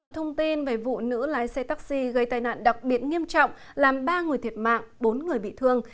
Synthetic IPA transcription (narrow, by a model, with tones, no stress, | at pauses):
t̪ʰə˧wŋ͡mt̪i˧nveː˨˩vṵ˧˨nɨ̰˧˥laː˨˦jsɛ˧t̪aː˦˥k̚si˧ɣə˧jt̪aː˨˩jna̰ː˧˨nɗa˨˩k̚ɓi˨˩ət̚ŋi˧əmt͡ɕɔ̰˧˨wŋ͡m | laː˨˩mɓaː˧ŋɨ˨˩əjt̪ʰi˨˩əp̚ma̰ː˧˨ŋɓo˨˦nŋɨ˨˩əjɓḭ˧˨t̪ʰɨ˧əŋ